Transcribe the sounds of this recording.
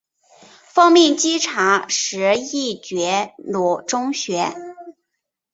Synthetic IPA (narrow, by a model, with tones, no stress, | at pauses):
fɑ˥ŋmjɛ˥˩nt͡ɕi˥ʈ͡ʂʰa˧˥ʂɻ̩˧˥i˥˩t͡ɕɥɛ˧˥lu˨˩ʈ͡ʂʊ˥ŋɕɥɛ˧˥